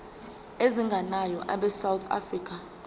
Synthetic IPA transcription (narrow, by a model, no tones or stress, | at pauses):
eziŋɡʱanajɔʔaɓɛsawt̪ʰa̰friːk̬ʼa